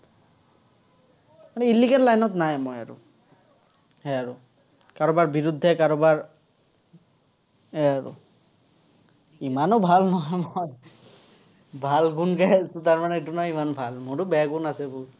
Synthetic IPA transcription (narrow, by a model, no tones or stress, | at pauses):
manɛilːiɡɛnlajnɔtnajmɔja̰ɹṵ | hɛaɹʊ | kaɹɔbaɹbiɹud̪ʱːɛkaɹɔbaɹ | ɦɛaɹʊ̰ | imanɔbʱalnɔɦɔjmoɔj | bʱalɡunkajasʊ̃taɹmanɛetunaimanbʱalmʊtʊbɛaɡunasɛbʊ